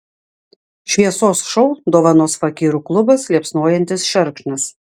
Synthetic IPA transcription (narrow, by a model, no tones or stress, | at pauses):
ʃʲʋʲiɛsoːsʃɔʊd̪oːʋɐnoːsfɐkʲiːɾuklˠʊbɐslʲiɛpsnoɔjɛnʲt̪ʲɪsʃʲɛɾkʃnɐs